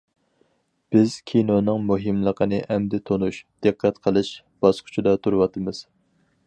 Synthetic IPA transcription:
b̥ɪz̥kʲʰinonɨŋmuɦɨmlˠəqʰənɨʔɛmd̪ɪt̪ʰonuʃd̪̥ɨqːɛt̪qʰəlˠɨʃ | b̥ɑsqʰʊ̥t͡ʃʰud̪ɑt̪ʰuɾɨwɑt̪ʰɨmɨz̥

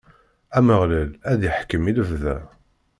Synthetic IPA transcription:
æməʁlælæðjəħkəmiləvðæ

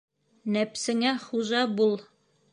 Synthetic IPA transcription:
næpsɘ̆ŋæχuʑɑbulˠ

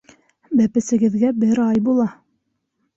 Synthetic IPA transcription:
bæpɘ̆sɘ̆ɡɘ̆ðɡæbɘɾɑjbulˠɑ

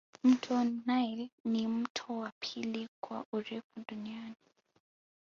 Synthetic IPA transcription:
m̩tʰɔnːajlnim̩tʰɔwapʰilikʰwa̰ʔuɾɛkuduniani

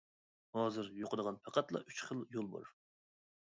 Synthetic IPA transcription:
hɑːzɨɾjoqʰəd̪əʁɑnpʰɑqɑt̪lˠɑ̰ʔyt͡ʃχəlˠjolˠbɑ̰ɾ

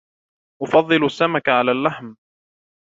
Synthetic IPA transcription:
ʔʊfɑðˤːɨlʊasːamakaʕalaːlːaħm

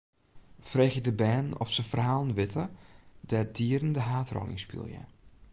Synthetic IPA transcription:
freːxjədəbɛːnɔ̰fsəfərhaːlˠnʋɪtʰədɛdiəɾəndəɦaːtrɔ̰lɪ̰ŋspḭlˠjə̰

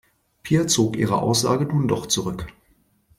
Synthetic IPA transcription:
pʰiːɐt͡soːkʔiːʁ̞əʔa̰ʊsz̥a̰ːɡənuːndɔχt͡suʁʏk

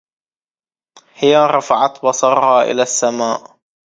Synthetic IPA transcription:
hɪjaɾˤɑfaʕat̪bɑsˤɑɾˤhaʔɪ̰lasːamaːʔ

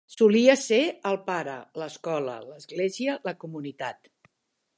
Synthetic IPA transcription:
suliəseəlˠpaɾələskɔlə̰ləzɣleziələkumunit̪at̪

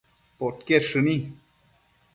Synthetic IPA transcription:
pot̪keɾʂɨni

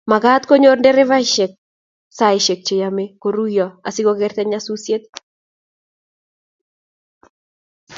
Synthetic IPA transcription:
maɡat̪koɲorndɛɾɛvaɪʃɛk̚ | saɪʃek̚t͡ʃejamekoɾujɔasikokɛrt̪ɛɲasusjet̪̚

